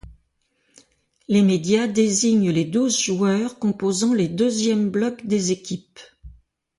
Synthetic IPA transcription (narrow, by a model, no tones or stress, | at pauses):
lemed̪jad̪eziɲled̪uzʒuœʁkɔ̃pozɑ̃led̪øzjɛmblɔkd̪ezekʲip